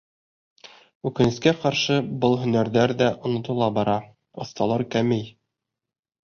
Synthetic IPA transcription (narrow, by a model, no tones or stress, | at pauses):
ʉkɘ̆nɘ̆skæqɑɾʃɤbɤlˠɦɵ̆næɾðæɾðæʔŏnŏt̪ŏlˠɑbɑɾɑ | ŏθt̪ɑlˠɑɾkæmɘj